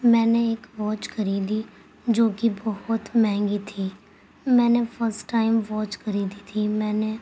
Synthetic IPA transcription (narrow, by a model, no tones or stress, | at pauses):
mɛ̃ːneɪkʋɔːt͡ʃkəɾiːd̪iː | d͡ʒoːkibɔhʊt̪mɛ̃ːŋɡit̪ʰiː | mɛ̃ːnepʰəɾsʈːaːɪmʋɔːt͡ʃkəɾiːd̪it̪ʰiːmɛ̃ːne